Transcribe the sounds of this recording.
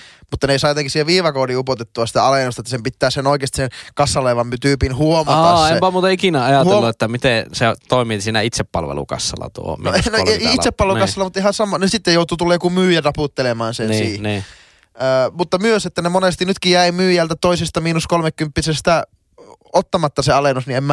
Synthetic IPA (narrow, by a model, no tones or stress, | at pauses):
mut̪ːɑneisɑːjot̪eŋkihsieʋiːʋɑkoːdiːupot̪et̪ːuɑsi̥t̪æ̰ɑlenost̪ɑet̪ːæsempit̪ːæːsenoikeːst̪i̥senkɑsːɑleːʋɑmt̪yːpinhuomɑtɑɑeepæmuːt̪ɑikinæɑjɑthueoluet̪ːæmit̪eset̪oˑimisiːnæit̪seppɑ̰lʋḛlṵkɑ̰sːɑ̰lɑ̰t̪ṵo̰nnoisepːɑlʋelukɑsːɑlːɑmut̪ːɑihɑnsɑmːˑɑnesit̪ːejoˑut̪uːt̪ulːeːjokumyːjærɑput̪ːelemɑːnsensiːniː | əːmut̪ːɑmyøset̪ːænemonest̪inyt̪kijæimyːjælt̪æt̪oisest̪ɑmiːnuskolmekkympːisest̪æ | ot̪ːɑmɑt̪ːɑseɑlenːosniemːæ